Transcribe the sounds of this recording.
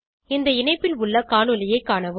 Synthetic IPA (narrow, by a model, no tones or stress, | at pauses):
ɪnd̪ɐɪnɐɪpːɪlʊɭːɐkaːɳɯlɪjɐɪkːaːɳɐʋɯ